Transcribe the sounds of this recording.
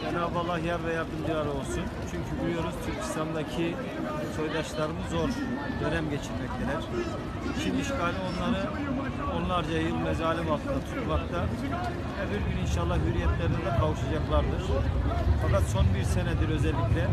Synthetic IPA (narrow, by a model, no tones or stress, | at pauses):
bɛnavalˠːahjaɾvɛjaɾd̪ɯmd͡ʒɯlˠaɾɯo̞lˠsunt͡ʃʰyɲcʰybuɾujo̞ɾuz̥t̪ʰyɾcʰi̥st̪ʰand̪acʰi | so̞jd̪aʃlˠaɾɯnɯzo̞ɾd̪øɾɛmɟɛt͡ʃʰiɾmɛc̚t̪ʰɛlʲæɾ̥ | it͡ʃʰiniʃkaːlʲio̞nlˠaɾɯ | o̞nlˠaɾd͡ʒajɯlˠmɛzaːlʲimat̪ʰɯnd̪at̪ʰut̪uvakt̪a | vɛbiɾɟyninʃalˠːahɦyɾijɛt̪lʲæɾinɛd̪ɛkʰavɯʃad͡ʒaklˠaɾd̪ɯɾ̥fakat̪so̞nbiɾsɛnɛd̪iɾø̞zɛlʲːiclʲɛ